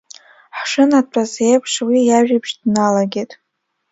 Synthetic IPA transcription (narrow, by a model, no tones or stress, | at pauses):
ħʂɨnadt͡pʷʰʼazejpʰʂwijaʒᶣibʃdnalaɡʲetʼ